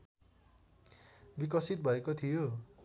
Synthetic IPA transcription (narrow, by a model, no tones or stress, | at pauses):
bikʌsit̪̚bʱʌekot̪ʰijo